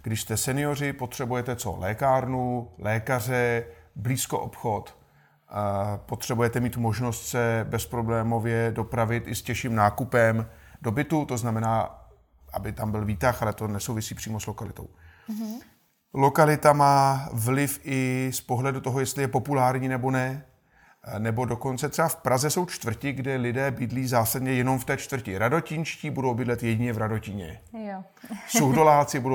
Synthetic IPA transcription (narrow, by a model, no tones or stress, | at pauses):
ɡ̥dɪʃst̪ɛsɛnɪjo̞r̝ɪpo̞t̪r̝̥ɛbujɛt̪ɛt͡so̞̰lʔɛːkaːɾnulɛːkar̝ɛbliːsko̞̰ʔopxo̞t̪ | po̞t̪r̥ɛbujɛt̪ɛmiːt̪mo̞ʒno̞st̪sɛbɛspɾo̞blɛːmo̞vjɛdo̞pɾavɪt̪ʔɪscɛʃiːmnaːkupɛmdo̞bɪt̪ut̪o̞znamɛnaː | ʔa̰bɪt̪ambɪlviːt̪axalɛt̪o̞nɛsowvɪsiːpr̥iːmoslo̞kalɪt̪o̞̰w | lo̞kalɪt̪amaːvlɪfʔɪspo̞ɦlɛdut̪o̞ɦojɛst̪lɪjɛpo̞pulaːɾɲiːnɛbo̞nɛ | nɛbo̞do̞ko̞nt͡sɛt̪r̥ɛbafpɾazɛso̞wt͡ʃt̪vr̩cɪɡdɛlɪdɛːbɪdliːzaːsadɲɛjɛno̞mft̪ɛːt͡ʃt̪vr̩cɪɾado̞cɪnʃciːbudo̞wbɪdlɛt̪jɛɟɪɲɛvɾado̞cɪɲɛ̰ | sowdo̞laːt͡sɪbudo